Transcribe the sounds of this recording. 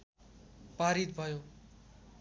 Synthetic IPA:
paɾit̪̚bʱʌjo

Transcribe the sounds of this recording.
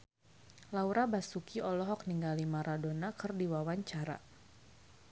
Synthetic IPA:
lauɾabasukiɔlɔɦɔk̚niŋɡalimaɾadonakɨrdiwawaɲt͡ʃaɾa̰

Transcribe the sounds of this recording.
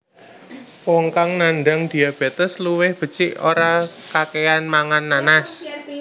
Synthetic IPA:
wɔŋkaŋnanɖaŋd̪̥i̤ab̥ɛt̪əsluwɪhb̥ə̤t͡ʃɪʔo̰ɾakakeanmaŋanːanas

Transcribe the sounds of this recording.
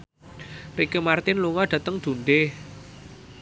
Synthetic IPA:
rikəmart̪ɪnluŋɔɖ̪̥ä̤t̪əŋd̪̥ṳnɖeh

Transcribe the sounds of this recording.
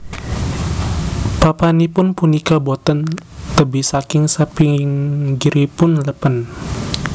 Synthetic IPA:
papanipʊnpunikabot̪ənt̪əbisakɪŋsəpiŋɡiɾipʊnləpən

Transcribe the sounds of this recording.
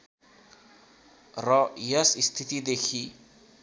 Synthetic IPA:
rɔjʌsist̪ʰit̪id̪ekʰi

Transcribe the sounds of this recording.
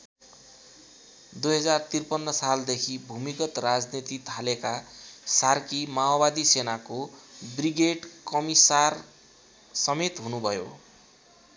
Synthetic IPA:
d̪ujɦʌd͡zart̪irpʌnːʌsald̪ekʰibʱumikʌt̪rad͡znit̪it̪ʰalekasarkimaobad̪isenakobriɡeɖkʌmisar | sʌmet̪ɦunubʱʌjo̰

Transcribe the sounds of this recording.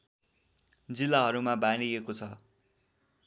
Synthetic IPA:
d͡zilːaɦʌɾumabaniekot͡sʰʌ

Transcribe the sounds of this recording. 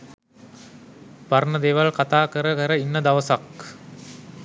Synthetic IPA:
paɾɳəd̪eːʋalkat̪aːkəɾəkəɾəinːəd̪aʋəsak

